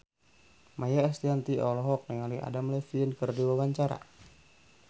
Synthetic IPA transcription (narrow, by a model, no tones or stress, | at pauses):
majaɛst̪iant̪iʔɔlɔɦɔk̚nɛŋalia̰damlɛfiənkərdiwawaɲt͡ʃaɾa̰